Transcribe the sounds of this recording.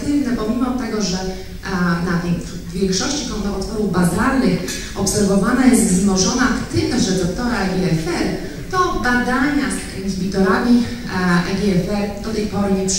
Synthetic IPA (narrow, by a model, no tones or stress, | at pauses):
t̪ɪvnɛbɔmʲimɔt̪ɛɡɔʐɛ | nat̪ɛjv | vʲjɛŋkʂɔɕt͡ɕikɔnt̪ɔɔt̪fɔɾuvbazalnɘx | ɔpsɛɾvɔvanajɛst̪zmɔʐɔnat̪ɘkɛʐɛd̪ɔkt̪ɔɾaɛɡʲiɛfɛl | t̪ɔbad̪aɲasixʲibʲit̪ɔɾamʲi | ɛɡʲɛɛfɛɾd̪ɔt̪ɛjpɔɾɨ